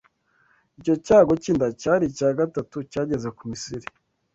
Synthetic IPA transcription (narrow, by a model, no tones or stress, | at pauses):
ico̞caːɡo̞ciːndacaːɾicaːɡatatucaːɟe̞ze̞kumisiɾi